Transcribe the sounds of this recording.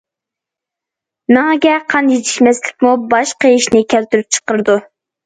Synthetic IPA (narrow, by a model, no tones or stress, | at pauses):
nɑŋɡʲɛqʰɑnjit̪ʰɪ̥ʃmɛslɪkʲmubɑʃqəiʃnɪkʲʰælt̪yɾyp̚t͡ʃʰə̥qəɾɨd̪u